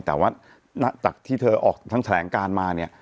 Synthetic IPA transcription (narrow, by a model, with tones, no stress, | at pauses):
t̪ɛː˨˩waː˥˩ | na˦˥t͡ɕa˨˩k̚t̪ʰiː˥˩t̪ʰɤː˧ʔɔː˨˩k̚t̪ʰa˦˥ŋt̪ʰa˧lɛː˩˦ŋkaː˧nmaː˧ni˥˩ɐ